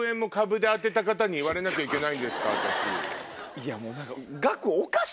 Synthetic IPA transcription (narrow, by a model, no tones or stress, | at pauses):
ẽ̞mːo̞kabɯ̟d̪e̞at̪̬ːe̞t̪akat̪aɲ̟iːβaɾe̞nak̬ʲaikʲe̞naĩnd̪e̞sɨ̥kat̪aɕḭ | iamoːnãŋkaɡakɯoka